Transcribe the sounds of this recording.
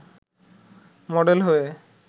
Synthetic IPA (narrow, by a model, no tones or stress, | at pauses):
mɔɖelɦoe